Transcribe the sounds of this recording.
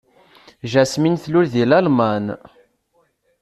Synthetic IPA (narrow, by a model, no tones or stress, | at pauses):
ʒæsminθlʊɾðilælman